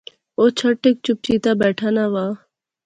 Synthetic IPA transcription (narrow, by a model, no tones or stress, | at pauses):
oːt͡ʃʰəʈːek̚t͡ʃʊp̚t͡ʃiːt̪aːbɛːʈʰaːnaːʋaː